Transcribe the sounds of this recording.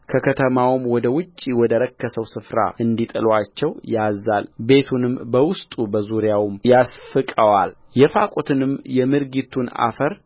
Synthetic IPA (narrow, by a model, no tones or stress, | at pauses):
kʰəkʰət̪ʰəmawmwɔd̪əwʊt͡ʃʼːiwɔd̪əɾəkːəsəwsɨfɾa̰ʔɨnd̪it̪ʼɨlwat͡ʃːɛwjazalbe̞t̪ʰunɨmbəwʊst̪ʼubəzuɾjawmjasfɨkʼəwal | jɛfakʼot̪ʰɨnɨmjɛmɨɾɡit̪ʰuna̰fəɾ